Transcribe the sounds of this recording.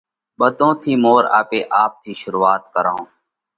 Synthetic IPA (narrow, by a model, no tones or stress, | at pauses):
ɓəd̪ʱõːt̪ʰiːmoːɾa̰ːpeːʔaːp̚t̪ʰiːʃʊɾuːaːt̪̚kəɾãː